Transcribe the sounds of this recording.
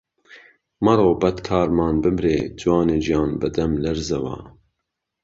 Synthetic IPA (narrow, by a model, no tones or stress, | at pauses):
mɐɾoːbɐt̪kʰɑːɾmɑːnbɨmɾḛːd͡ʒwɑːneːd͡ʒijɑːnbɨd̪ɛmlɛɾzɛwɑ̰ː